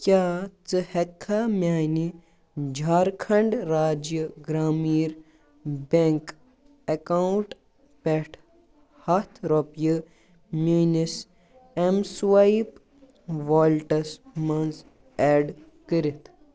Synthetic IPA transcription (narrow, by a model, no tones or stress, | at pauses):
kʲjaːt͡sɨhekʰːamʲaːni | d͡ʒʱaːɾkʰɐɳɖɾaːd͡ʒjəɡɾaːmiːɾ | beŋk | ɐkawʈ | peʈʰ | hɐt̪ʰɾopjɨ | mʲinis | emswɐjp | ʋoːlʈɐsmɐnz | eːɖ | kəɾit̪ʰ